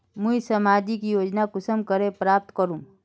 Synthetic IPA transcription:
mũisɐmaːd͡ʒikijoːd͡ʒnakʊsəmkəɾepɾaːp̚t̪kəɾũː

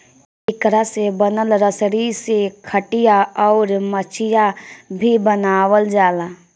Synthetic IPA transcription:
ɪkɾasebənəlɾəsɾisekʰəʈijaɔːɾmət͡ʃʰɪjabʱibənaːwəld͡ʒaːla

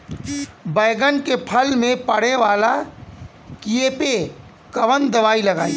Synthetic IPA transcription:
bɐɪɡənkepʰɐlmẽpɐɽ̤eʋaːla | kieːpe | kɐʋənd̪ɐʋaːilɐɡaːi

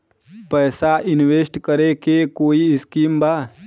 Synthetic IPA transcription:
pɛːsaʔɪnweːsʈkəɾekekoːiɪskiːmbaː

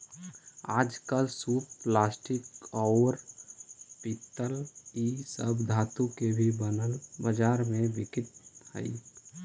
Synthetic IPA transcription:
aːd͡ʒkəlsuːpplaːsʈɪkɔːəɾ | pit̪ːəlisəbd̪ʱaːt̪ũkebʱibənəlbəd͡ʒaːɾmẽbɪkɪʈ̚hə̰ḭ

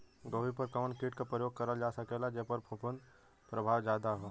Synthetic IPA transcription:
ɡoːʋipɐɾkɐməɳkeːʈ̚kapɾəjoːɡ̚kɐɾad͡ʒaːsɐkɛlad͡ʒeɦpɐɾpʰʊpənd̪ | pɾəbʱaːʋd͡ʒaːd̪aɦɛː

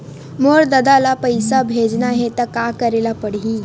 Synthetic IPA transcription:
moɾd̪əd̪alapəjsabʱed͡ʒnaɦet̪əkakəɾelapəɽĩː

